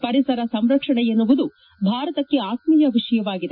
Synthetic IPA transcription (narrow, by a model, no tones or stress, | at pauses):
pɐɾisɐɾɐsɐmɾɐkʂɐɳɛjenːuʋud̪u | bʱaːɾɐt̪ɐkːe̞aːt̪mijɐʋiʂɐjɐʋaːɡid̪e